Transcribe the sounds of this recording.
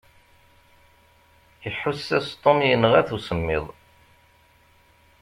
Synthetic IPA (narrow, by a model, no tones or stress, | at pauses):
əħːusːæst̪ˤːomijənːəʁæθusəmːɪ̰ðˤ